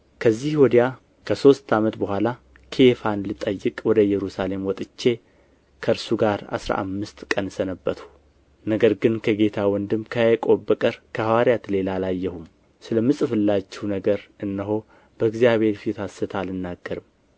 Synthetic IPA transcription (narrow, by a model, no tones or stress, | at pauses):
kʰəzːihwɔd̪ja | kʰəso̞st̪ʰamət̪bəhʷala | kʰe̞fanlɨt̪ʼəjːɨkʼwɔd̪əjɛɾusale̞mwɔt̪ʼɨt͡ʃːe̞ | kʰəɾsuɡaɾa̰sɾa̰ʔa̰mːɨst̪kʼənsənəbːət̪hu | nəɡəɾɡɨnkʰəɡe̞t̪ʰawɔnd̪ɨmkʰəajɛkʼo̞bːəkʼəɾkʰəhawaɾijat̪le̞lalajːɛhum | sɨləmːɨsʼɨfɨlːat͡ʃːɛhunəɡəɾɨnːəɦo̞ | b̥əɨɡzjaβhe̞ɾfit̪asːɨt̪ʰalɨnːaɡːəɾɨm